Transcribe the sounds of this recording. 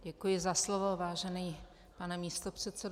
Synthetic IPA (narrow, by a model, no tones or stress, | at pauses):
ɟɛkujɪzaslovo̞vaːʒɛniː | panɛmiːst̪o̞pr̝̥ɛt̪t͡sɛd